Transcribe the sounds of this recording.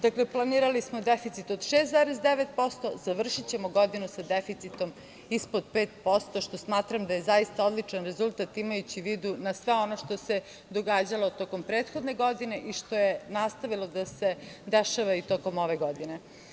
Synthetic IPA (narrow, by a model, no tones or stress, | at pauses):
d̪akleplˠaniːɾalismod̪efit̪sit̪o̞d̪ʃeszaɾezd̪eʋet̪̚po̞st̪o̞zaʋr̩ʃit͡ɕe̞moɡo̞d̪inusad̪efit̪sit̪o̞m | ispod̪̚peːt̪̚po̞st̪o̞ʃt̪o̞smaːt̪ɾamd̪ajezajist̪aod̪lit͡ʂanɾe̞zulˠt̪at̪imajut͡ɕiʋiːd̪unasʋeo̞no̞ʃt̪o̞se | d̪oɡaːd͡ʑalˠo̞t̪o̞ko̞mpɾeːt̪xod̪ne̞ɡo̞d̪ine̞ʔiʃt̪o̞jenast̪aʋilˠod̪ased̪eʃaʋait̪o̞ko̞moʋeɡo̞d̪ine